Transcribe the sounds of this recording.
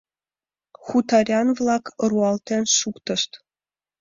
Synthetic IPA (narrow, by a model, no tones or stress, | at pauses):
χut̪ɑrʲɑnvlˠɑkruɑlˠt̪ʲenʲʂukt̪ɤ̆ʂt̪